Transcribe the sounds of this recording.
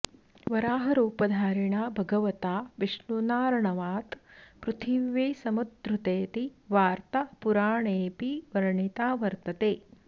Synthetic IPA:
ʋɐɾaːɦɐɾuːpɐd̪ʱaːɾiɳaːbʱɐɡɐʋɐt̪aːʋiʂnunaːɾɐɳɐʋaːt̪pɾut̪ʰiʋʋeːsɐmud̪ɾut̪eːt̪iʋaːɾt̪ɐpuɾaːɳeːpiʋɐɾɐɳit̪aːʋɐɾt̪ɐt̪eː

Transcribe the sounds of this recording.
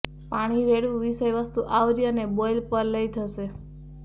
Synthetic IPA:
paɽ̃iɾeɽũʋiʃəjʋəst̪uʔaʋɾijənebojlpəɾləjt̪ʰəʃe

